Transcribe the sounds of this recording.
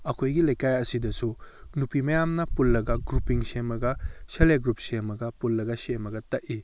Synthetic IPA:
ɐkʰojɡilɐjkajɐsidɐsunupimɐjamnɐpulːɐɡɐɡɾupiŋsemɐɡɐseleɡɾupsemɐɡɐpulːɐɡɐsemɐɡɐtɐʔi

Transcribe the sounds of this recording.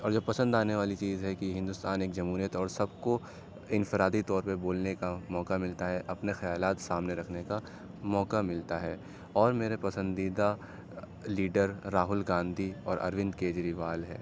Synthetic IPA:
ɔːɾd͡ʒobpɐsə̃nd̪aːneʋaːlit͡ʃiːzɦɛkiɦɪ̃nd̪ʊst̪aːneːkd͡ʒɐmɦuːɾijət̪ɔːɾsɐbko | ɪ̃nfɪɾaːd̪it̪ɔːɾpɐɾboːlnekamɔːkamɪlt̪aɦɛʔɐpnexɐjaːlaːt̪saːmneɾɐkʰneka | mɔːkamɪlt̪aɦɛː | ɔːɾmeːɾepɐsə̃nd̪iːd̪a | liːɖəɾːaːɦʊlɡãːnd̪ʱiɔːɾʔɐ̰ɾʋɪ̃nd̪keːd͡ʒɾiʋaːlɦɛ̰ː

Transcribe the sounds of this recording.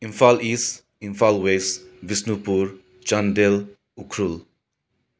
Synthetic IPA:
imfʰalis | imfʰalwesbʱisnupuɾ | t͡ʃandel | ukʰɾul

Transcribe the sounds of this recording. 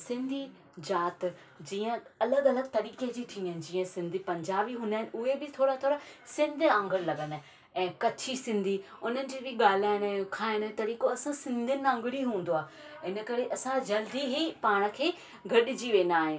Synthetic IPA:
sɪ̃nd̪ʱi | d͡ʑaːt̪ | d͡ʑiːə̃ɐləɡɐləɡ̚t̪ɐɾiːked͡ʑiːt̪ʰĩːəɦnɪd͡ʑiːə̃sɪ̃nd̪ʱipɐ̃ɲd͡ʑaːbiɦʊ̃ːnd̪aːɦɪn̆ʔʊɦebɪt̪ʰoːɾat̪ʰoːɾasɪ̃nd̪ʱãːŋɡʱəɽlɐɠən̆ | ɛ̃ːkɐt͡ɕʰisɪ̃nd̪ʱi | ʊn̤ənɪ̆d͡ʑiːbɪɠaːlaːɪɽ̃kʰaːɦɪɽ̃t̪ɐɾiːkoɐsãsɪ̃nd̪ʱɪnɪãːŋɡɪɽiɦũːnd̪oaː | ɪnə̆kɐɾeʔɐsãd͡ʑɐld̪iɦipaːɽ̃ə̆kʰeː | ɡʱɐɗɪd͡ʑiʋẽːnd̪aːɦɪ̃n

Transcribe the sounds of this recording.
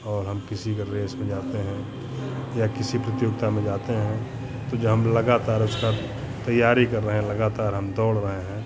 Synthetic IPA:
ɔːɾɦɐmkɪsikeɾeːsmẽd͡ʒaːt̪eɦɛ̃ | jakɪsipɾɪt̪joːɡ̚t̪amẽd͡ʒaːt̪eɦɛ̃ | t̪od͡ʒɐɦɐmlɐɡaːt̪aːɾʊska | t̪ɐjːaːɾikɐɾːɐɦeɦlɐɡaːt̪aːɾɦɐmd̪ɔːɽɾəɦeɦɛ̃ː

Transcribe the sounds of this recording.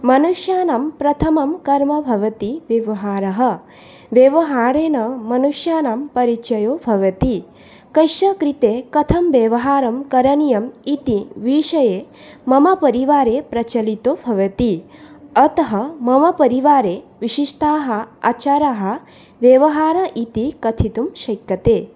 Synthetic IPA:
mɐnuʃjaːnaːmpɾɐt̪ʰɐmɐmkɐɾmɐbʱɐʋɐt̪iʋjɐʋɐɦaːɾɐɦɐ | ʋjɐʋɐɦaːɾeːnɐmɐnuʂjaːnaːmpɐɾit͡ʃɐjoːbʱɐʋɐt̪i | kɐʃɐkɾit̪eːkɐt̪ʰɐmʋeʋɐɦaːɾɐmkɐɾɐnijɐmit̪iʋiːʃɐjeː | mɐmɐpɐɾiʋaːɾeːpɾɐt͡ʃɐlit̪oːbʱɐʋɐt̪iɐt̪ɐɦɐmɐmɐpɐɾiʋaːɾeːʋiʃiʃt̪ʰaːɦɐ̆a̰ːt͡ʃaːɾaɦɐ̆ | ʋjɐʋɐɦaːɾɐʔit̪ikɐt̪ʰit̪umʃɐjkːɐt̪eː

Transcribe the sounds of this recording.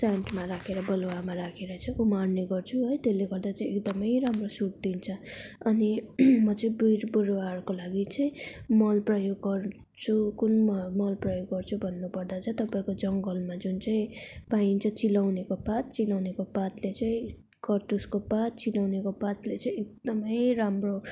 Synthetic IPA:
sanʈmaɾakʰeɾʌbʌlwamaɾakʰeɾʌt͡sʰʌkumanniɡʌrt͡sʰuɦʌjt̪elːeɡʌrd̪at͡saĩekd̪ʌmʌjɾamrosuʈ̚d̪int͡sʰʌʌnimʌt͡sʌĩbiɾbuɾwarkolaɡit͡sʌĩmʌlprʌjoɡːʌr | t͡sʰukunmʌmʌlprʌjoɡːʌrt͡sʰubʱʌnːupʌrd̪at͡sʰʌt̪ʌpaĩkod͡zʌŋɡʌlmad͡zunt͡saĩpaint͡sʰʌt͡silawnekopat̪̚t͡silawnekopat̪let͡sʌĩ | kʌrʈuskopat̪̚t͡silawnekopat̪let͡sʌĩek̚d̪ʌmʌjɾamro

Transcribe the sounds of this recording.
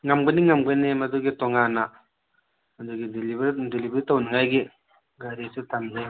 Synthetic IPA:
ŋɐmɡɐniŋɐmɡɐnimɐduɡitɔŋanɐ | mɐduɡidibɾdilibɾitɐwniŋajɡi | ɡɐɾisutʰɐmzɐj

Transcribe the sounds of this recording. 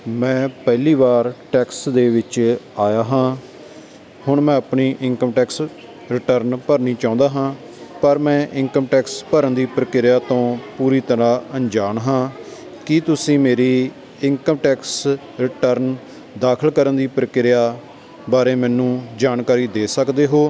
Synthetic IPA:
mɛ̃ːpɛːliːbaːɾʈɛːksd̪eːʋɪt͡ʃaːjaːɦãː | hʊɳmɛ̃ːəpɳiːʔɪŋkəmʈɛːks | ɾɪʈəɾnpəɾniːt͡ʃaːʊ̃nd̪aːɦãː | pəɾmɛ̃ːʔɪŋkəmʈɛːkspəɾənd̪iːpɾəkɪɾjaːt̪õːpuːɾiːt̪əɾãːəɲd͡ʒaːɳɦãː | kɪt̪ʊsĩːmeːɾiː | ɪŋkəmʈɛːks | ɾɪʈəɾn | d̪aːkʰəlkəɾənd̪iːpɾəkɪɾɪjaː | baːɾeːmɛ̃ːnũːd͡ʒaːnkaːɾiːd̪eːsəkd̪eːɦoː

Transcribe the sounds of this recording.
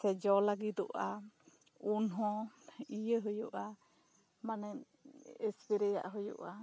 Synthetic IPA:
sɛd͡ʒɔlaɡit̪ɔʔa | unɦɔ̃ijəɦəjuʔa | manɛɲ | espiɾɛja̰ʔɦɔjṵʔa

